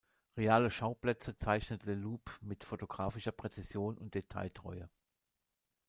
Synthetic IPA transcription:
ʁeaːləʃaʊplɛt͡sət͡saɪçnətleluːpmɪtfotoɡ̥ʁaːfɪʃɐpʁ̥et͡sizjoːnʔʊnt̚d̥etʰa̰ɪtʁ̥ɔ̰ʏə

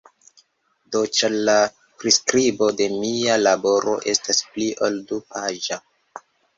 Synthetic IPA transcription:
dot͡ʃala | pɾiskɾibo̞de̞mialabo̞ɾo̞̰ʔe̞staspliʔoldupaʒa

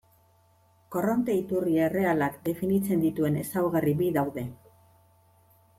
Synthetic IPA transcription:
ko̞ront̪e̞it̪uriere̞alakd̪e̞finit͡se̞nd̪it̪ue̞ne̞sawɣaribiðawðe̞

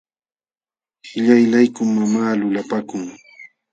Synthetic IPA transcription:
hɪʎajlajkʊːamaːlʊlapakʊŋ

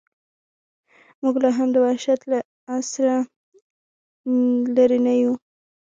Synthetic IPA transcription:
muɡlaɦamd̪əwaʃat̪laː | sɾa | laɾinaju

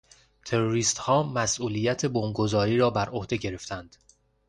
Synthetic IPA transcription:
t̪ʰe̞ɾoɾiːst̪hɒːmæsʔuːliːjæt̪ʰe̞bomɡozɒːɾiːɾɒːbæɾʔohd̪e̞ɟe̞ɾe̞ft̪ænd̪̥

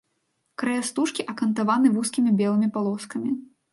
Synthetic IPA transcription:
kɾɐjast̪uʂkʲiʔɐkɐnt̪avanɨvuskʲimʲibʲɛlˠɨmʲipalˠɔskɐmʲi

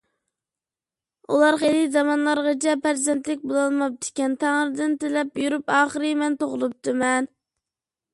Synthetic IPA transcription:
ulˠɑɾχejlɪzɑmɑnlˠɑɾʁɑt͡ʃʰɛpæɾzɛnt̪lɪk̚ʲbolˠɑlˠmɑp̚d̪ɪ̥kʲɛnt̪ʰæŋəɾɨd̪ɪnt̪ɪlɛpjuɾupɑːχəɾɨmɛnt̪oʁlˠup̚t̪ɨmɛn

